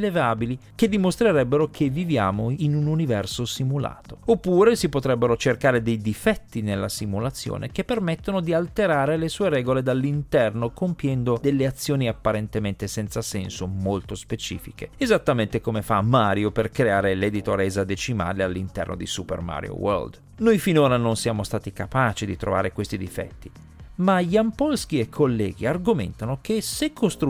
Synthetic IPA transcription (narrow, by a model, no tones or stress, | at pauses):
levaːbiliked̪ːimost̪ɾeɾɛbːeɾok̟ʰevːivjaːmoinununivɛrsosimula̰ːt̪oopːuːɾesipot̪ɾɛbːeɾot͡ʃerkaːɾed̪ejd̪ifɛt̪ːinelːasimulat̪sːjo̰ːnʔekepːermet̪ːonod̪ialt̪eɾaːɾelesuːeɾɛːɡoled̪alːint̪ɛrnokompjɛnd̪od̪elːeat̪sːjoːniapːaɾent̪ement̪esɛnt̪sasɛnsomolt̪ospet͡ʃḭːfikeezat̪ːament̪ekomefamːaːɾjoperkɾeaːɾeled̪it̪oɾɛzad̪et͡ʃima̰ːlealːint̪ɛ̰rno̰d̪isupḛrma̰ɾj̰o̰wo̰rld̪ | nojfinoːɾanonsjaːmost̪aːt̪ikapaːt͡ʃid̪it̪ɾo̰va̰ːɾekwest̪id̪ifɛ̰t̪ːi | maʎiampɔlsk̟iekʰːolːɛːɡiarɡomḛnt̪anok̟esekʰːost̪ɾ